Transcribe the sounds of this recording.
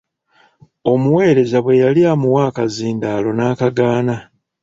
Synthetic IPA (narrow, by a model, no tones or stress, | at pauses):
o̞muwe̞ːɾe̞zaβwe̞jaliaːmuwaːkaziːndaːlo̞naːkaɡaːna